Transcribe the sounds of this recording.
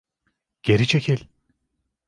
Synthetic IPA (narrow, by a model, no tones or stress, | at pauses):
ɟ̥eɾit͡ʃʰecʰilʲ